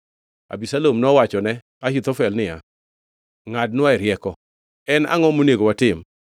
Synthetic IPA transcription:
a̰bisalomnɔwat͡ʃɔnɛ | ahit̪ɔfɛlnɪja̰ | ŋad̚nwaɛɾjɛkɔ | ɛna̰ŋɔmoneɡowatɪm

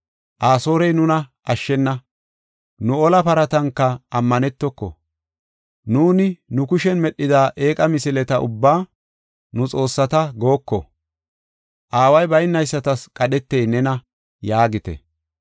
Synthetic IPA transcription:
ʔaːso̞ːɾɛjnʊnɐʔɐʃːɛnːɐ | nʊɔlɐpɐɾɐt̪ɐŋkːɐɐmːɐnɛt̪ːɔkːɔ̰ | nuːnɪnʊkʊʃɛnmɛɗːɪd̪aːʔe̞ːkʼɐmɪsɪlɛt̪ɐʔʊ̰bːaː | nʊt͡sʼo̞ːsːɐt̪ɐɡo̞ːkːɔ̰ | ʔaːwɐjbɐjnːɐjsːɐt̪ɐskʼɐɗɛt̪ːejnɛnɐ | jaːɡɪt̪ɛ̰

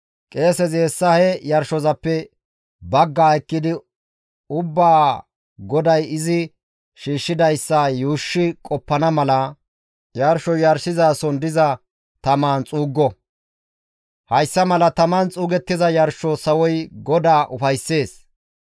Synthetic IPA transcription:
kʼe̞ːsɛzeːsːɐhɛjɐɾʃɔzɐpːɛ | bɐɡːaːɛkːɪd̪ɪ | ʊbːaː | ɡɔd̪ɐjɪzɪ | ʃiːʃːɪd̪ɐjsːajuːʃːɪkʼɔpːɐnɐmɐlɐ | jɐɾʃɔjɐɾsɪzaːsɔnd̪ɪzɐ | t̪ɐmaːnt͡sʼuːɡːɔ | hɐjsːɐmɐlɐt̪ɐmaːnt͡sʼuːɡɛt̪ːɪzɐjɐɾʃɔsɐwɔjɡɔd̪aːʔʊfɐjsːe̞ːs

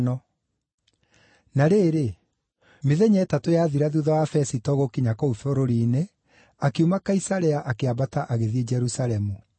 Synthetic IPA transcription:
nɔ | naɾeːɾe | meðɛɲɛːtatojaːðiɾaðuðɔwafɛsitɔɣokiɲakɔufoɾoɾiːne | akeumakaisaɾɛaʔakeabataʔaɣeðied͡ʒɛɾusaɾɛmu

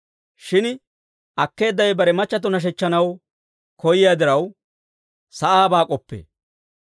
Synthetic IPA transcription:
ʃɪn | ʔɐkːe̞ːd̪ːɐjbɐɾɛmɐt͡ʃːɐt̪̬ːɔnɐʃ̬ɛt͡ʃːɐnɐw | kɔjɪjaːd̪ɪɾɐw | sɐʔaːbaːkʼɔpːḛː

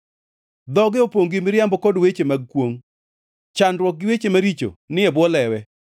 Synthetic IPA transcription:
d̪ɔɡɪopoŋɡɪmɪɾjambɔkodwet͡ʃemaɡ̚kwoŋ | t͡ʃandwɔk̚ɡɪwet͡ʃemaɾit͡ʃo̰nɪɛbwɔlɛwɛ

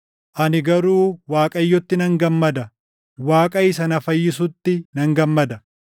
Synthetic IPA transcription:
ʔɐnɪɡɐɾuːwaːkʼɐjːɔt̪ːɪnɐŋɡɐmːɐd̪ɐ | waːkʼɐɪsɐnɐfɐjːɪsʊt̪ːɪnɐŋɡɐmːɐd̪ɐ

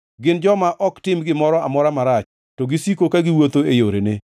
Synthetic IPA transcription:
ɡɪnd͡ʒɔmaʔɔktɪmɡɪmɔɾɔamɔɾamaɾat͡ʃ | tɔɡɪsikokaɡɪwot̪oejoɾene

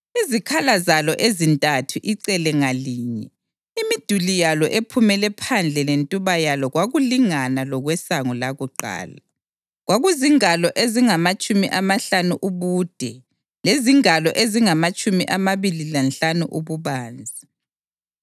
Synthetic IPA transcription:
izikʰalazalɔʔezintʼatʰuʔiǀɛlɛŋaliːɲɛ | imid̥ʱulijalɔʔepʰumɛlɛpʰand͡ɮʱɛlentʼuβajalɔɣwaɣuliŋanalɔɣwɛsaŋulaɣuǃa̰ːla | ɣwaɣuziŋalɔʔeziŋamat͡ʃʼumiʔamaɬanuʔuβuːd̥ʱɛ | leziŋalɔʔeziŋamat͡ʃʼumḭʔamaβililanɬanuʔuβuβaːnd͡zʱi

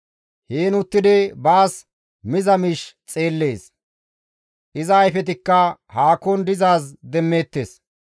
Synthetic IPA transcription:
heːnʊt̪ːɪd̪ɪbaːs | mɪzɐmɪʃt͡sʼe̞ːlːe̞ːs | ʔɪzɐːjfɛt̪̬ɪkːɐhaːkɔnd̪ɪzaːsd̪ɛmːe̞ːt̪ːes

